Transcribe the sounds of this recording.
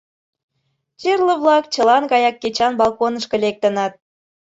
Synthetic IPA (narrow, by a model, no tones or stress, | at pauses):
t͡ɕerlə̆βlˠɑkt͡ɕəlɑnkɑjɑkːet͡ɕɑnbɑlˠkonə̆ʃkɤ̆lek̚t̪ə̆nɑt̪̚